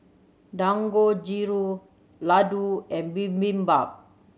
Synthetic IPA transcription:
daŋɡod͡ʒiɾu | laduɛ̃nbimbimbap̚

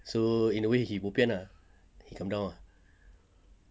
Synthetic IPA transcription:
soĩndəwehibopiə̃na | hikãmdãw̃a

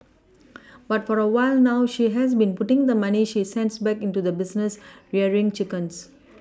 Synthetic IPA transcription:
batfɔɹəwaɪlnawʃiɦɛs̬bĩnputɪ̃ŋd̪əmaniʃisɛ̃ndsbɛkĩntud̪əbisnəsɹɛəɹĩŋt͡ʃikə̃ns

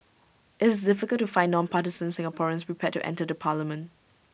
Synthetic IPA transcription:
ʔɪtɪsdɪfɪkəltːufãɪ̃nːɔ̃npʰatɪzə̃nsɪ̃ŋapʰɔɹə̃nspɹipʰɛtːṵʔɛ̰̃ntədəpʰaləmə̃nt

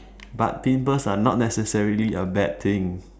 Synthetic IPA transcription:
ba̰t̚tĩmpəsanɔt̚nɛsəsɛɹiliəbɛd̚t̪ʰɪ̃ŋ

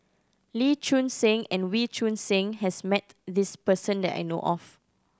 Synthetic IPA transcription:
lit͡ʃũnsẽŋɛ̃nwit͡ʃʰũnsẽŋhɛsmɛtdispəsə̃ndɛ̰ta̰jno̰ʔɔf

